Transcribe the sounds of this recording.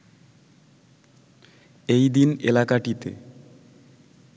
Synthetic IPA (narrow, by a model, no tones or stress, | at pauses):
ejd̪inḛlakaʈit̪ḛ